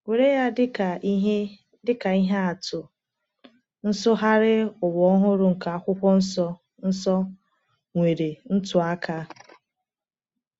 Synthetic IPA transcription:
ŋʷe˨ɾe˦ja˦dɪ˦ka˨i˦ɦe˦ | dɪ˦ka˨i˦ɦa˦a˨tʊ˨ | n̩˦sʊ˦ɦa˦ɾɪ˦ʊ˨wɔ˨˦ɦʊ˦ɾʊ˦ŋ̩˨ka˨a˨kʷʊ˦kʷɔ˦n̩˦sɔ˦ | n̩˦sɔ˦ | ŋʷe˨ɾe˨n̩˦tʊ˨a˦kʰa˦

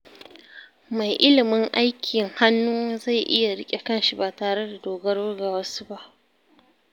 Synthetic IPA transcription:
ma˨jʔɪ˦lɪ˨mɪ˦ŋʔa˦jkʲʰɪ˨ŋha˦nːuː˦za˦˨jʔɪ˦ja˨ɽɪ˦kʲʼe˨kɐ˦˨nʃi˦baː˨taː˨ɽe˦da˨doː˨ɡɐ˦rwʊ˦rɡa˨wɐ˦su̥˦ba˦ʔ

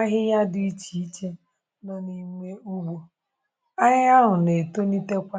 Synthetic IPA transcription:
a˦ɦɪ˦ja˦dʊ˦i˦t͡ʃi˨i˦t͡ʃe˦ | nɔ˦ni˦me˦u˦ɡ͡bo˨ | a˦ɦɪ˦a˦ɦʊ˨ne˨to˦ni˦te˦kʷa˦

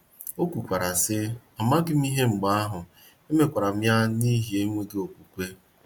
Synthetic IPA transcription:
o˦kʷu˨kʷa˨ɾa˨sɪ˦ | a˨ma˦ɡɪ˦m̩˦i˦ɦe˦ŋ͡m̩˨ɡ͡ba˦a˦ɦʊ˨ | e˦me˨kʷa˨ɾa˨m̩ja˦ni˦ɦi˨e˦mʷe˦ɡe˦o˨kʷu˨kʷe˦

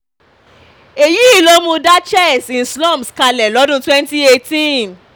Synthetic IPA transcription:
e˨ji˦i˨lo˦mũ˧da˦t͡ʃɛ˦˨sĩ˨nslɔ̃˦˨mbska˧lɛ˨lɔ˨˦dũ˧˦twɛ̃˦nti˦e˧tĩ˦

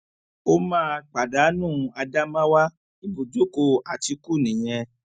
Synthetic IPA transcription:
o˦mãː˦k͡pa˨da˨˦nũ˦˨a˧da˦mã˦wa˦ | i˦bo˨d͡ʒo˦ko˧a˨ti˧ku˦˨nĩ˨j̃ɛ̃˧

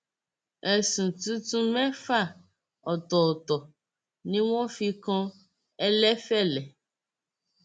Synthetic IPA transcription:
ɛ˨sũ˨t̪u˦t̪ũ˦mɛ̃˦fa˦˨ | ɔ˨t̪ɔ˨t̪ɔ˨ | nĩ˦wɔ̃˦fi˦kɔ̃˦ | ɛ˦lɛ˦fɛ˦lɛ˨

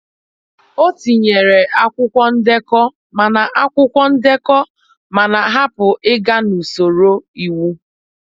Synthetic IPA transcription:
o˦ti˨ɲe˨ɾe˨ʔa˦kʷʊ˦kʷɔ˦n̩˦de˦kɔ˦ | ma˨na˨ʔa˦kʷʊ˦kʷɔ˦n̩˦de˦kɔ˦ | ma˨na˨ɦa˦pʊ˨ʔɪ˦ɡa˦nu˨so˨ɾo˦i˨wu˦

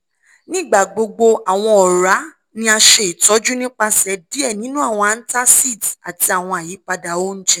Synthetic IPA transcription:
nĩ˦˨ɡ͡ba˨ɡ͡bo˧ɡ͡bo˧a˨w̃ɔ̃˧ɔ˨ɾa˨˦ | nĩ˦a˧ʃe˧i˨tɔ˨˦d͡ʒu˦nĩ˦k͡pa˧sɛ˨˦di˦ɛ˦˨nĩ˨˦nũ˦a˦˨w̃ɔ̃˧a˧n̩˦ta˦si˦˨ta˨ti˧a˨w̃ɔ̃˧a˨ji˨˦pa˧da˨o˦n̩˦d͡ʒɛ˦

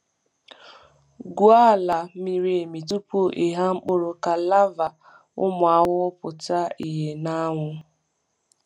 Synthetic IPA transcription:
ɡu˦a˦˨la˨mi˨ɾe˨e˨mi˨tu˦po˦ʔe˨ɦa˦ŋ͡m̩˦k͡pʊ˦ɾʊ˨ka˨la˦va˨ | ʊ̰˦mʊ˨a˨wʊ˦pʊ˨ta˦i˨ɦe˨na˦ŋʷʊ˦

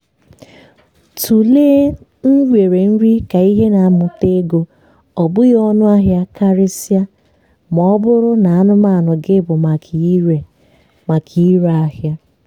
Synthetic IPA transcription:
tʰu˨leː˦ | n̩˦wʷe˨ɾe˨n̩˦ɾi˦ka˨i˦ɦe˦na˨a˦mʊ˨te˦ɡo˦ | ɔ˨bʊ˦jɔ˦nʊ˦a˦ɦja˦ka˦ɾɪ˦sja˦ | m˨ɔ˦bʊ˦ɾʊ˦na˨a˦nʊ˦ma˦˨a˨nʊ˨ɡɪ˦bʊ˨ma˨e˨ | ma˨kʰi˨˦ɾa˦hja˦

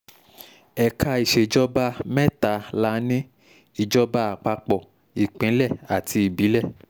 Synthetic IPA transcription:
ɛ˨ka˧i˨ʃe˨d͡ʒɔ˦ba˧mɛ˦ta˨˧la˨˦nĩ˦ | i˦˨d͡ʒɔ˧ba˧˦a˨k͡pa˧k͡pɔ˨ | i˨k͡pĩ˨˦lɛ˦˨a˨tʰi˧i˨bi˨˦lɛ˦˨

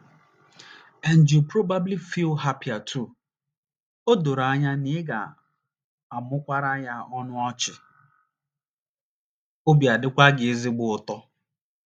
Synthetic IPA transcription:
e˦n̩˨d͡ʒu˨pɾo˦ba˦bli˦fi˦lɦa˦pɪ˨a˨tʰu˦˨ | o˦do˨ɾa˦ɲa˦nɪ˦ɪ˦ɡa̰˨ | a˨mʊ˦kʷa˦ɾa˦ɲa˦ɔ˦nʊ˦ɔ˦t͡ʃɪ˨ | ʊ˦bja˨dɪ˦kʷa˦ɡɪ˨˦zɪ˦ɡ͡bʊ˨ʊ˨tɔ˦

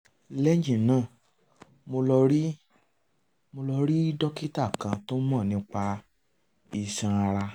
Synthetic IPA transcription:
lɛ˦d͡ʒĩ˨nãː˦˨ | mo˧lɔ˧ɾi˦ | mo˧lɔ˧ɾi˦dɔ˦ki˦ta˦˨kã˧to˦mɔ̃˦˨nĩ˧˦k͡pa˧ | i˧˨sã˧a˧ɾa˧

